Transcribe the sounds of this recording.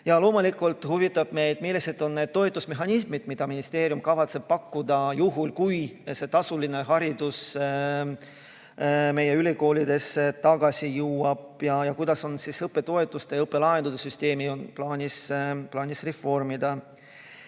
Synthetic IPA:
jɑlo̞ːmulikːˑult̪huvit̪ːˑɑb̥me̞jd̪̥milːise̞t̪o̞nːe̞d̪̚t̪ːo̞et̪ːˑusme̞ɦɑnismid̪̥mid̪̥ɑminist̪e̞ːɾjumkɑvɑt̪se̞b̥̚pɑkːud̪̥ɑjuɦulkujse̞t̪ɑsuline̞ɦɑɾid̪us | me̞jːe̞yliko̞ːlid̪̥e̞set̪ɑɡɑsʲijuːɑb̥jɑjɑkujd̪̥ɑso̞nsisɤpːˑe̞t̪o̞et̪ːˑust̪ejɤpːˑe̞lɑend̪ud̪̥esyst̪e̞ːmionplɑːnʲisplɑːnʲisre̞fːo̞rmid̪̥ɑ

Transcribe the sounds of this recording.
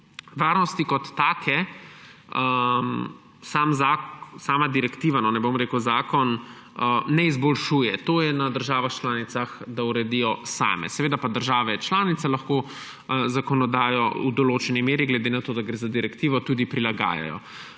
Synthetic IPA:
ʋaːɾnɔst̪ikɔt̪ːaːkʰɛ | əm | saːmzasaːmad̪iɾɛkt̪iːʋanɔnɛbomɾekəwzaːkɔn | nɛizbɔlʃuːjɛt̪oːjɛnad̪əɾʒaːʋaxt͡ʃlaːnit̪saxd̪auɾɛd̪ijɔsa̰ːmɛ̰sɛʋeːd̪apad̪əɾʒaːʋɛt͡ʃlaːnit̪sɛlɐxkoː | zakɔnɔd̪aːjɔud̪ɔloːt͡ʃɛnimeːɾiɡlɛd̪enat̪oːd̪aɡɾezad̪iɾɛkt̪iːʋɔt̪uːd̪ipɾilaɡa̰ːja̰jɔ̰

